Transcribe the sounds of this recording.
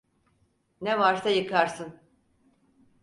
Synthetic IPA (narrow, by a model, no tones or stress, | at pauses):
nevaɾsajɯkʰaɾsɯn